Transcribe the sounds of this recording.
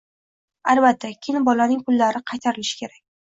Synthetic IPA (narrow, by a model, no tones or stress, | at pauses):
albat̪ʰːakʲʰɪnbɒlanɪŋpʰʊlːaɾɪqʰɑjt̪ʰaɾɪlɪʃɪ̥kʲʰe̞ɾak̚ʲ